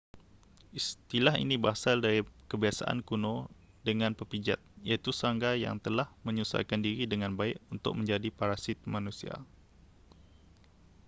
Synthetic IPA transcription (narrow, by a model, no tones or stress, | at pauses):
ʔist̪ilaɦḭnibəasaldaɾikəbiasa̰ʔa̰nkunõ | dəŋãnpəpid͡ʒat̪̚jait̪usəaŋɡaja̰ŋt̪əlahmə̃ɲusa̰jkandiɾidəŋãnbaɪkunt̪ʊ̰k̚mə̃ɲd͡ʒadipaɾasɪt̪̚manusia̰